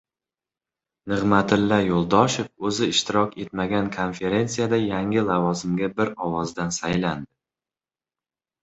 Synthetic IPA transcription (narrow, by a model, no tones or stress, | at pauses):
nɨʁmat̪ʰɪlːajolˠd̪ɒʃɪp̚ɵzɪɪʃt̪ʰɪɾɒkʲe̞t̪maɡʲankʰonfe̞ɾe̞nsijad̪ajaŋʲɪlˠavɒzɪmɡʲabɪɾɒwɒzd̪ansajland̪ɪ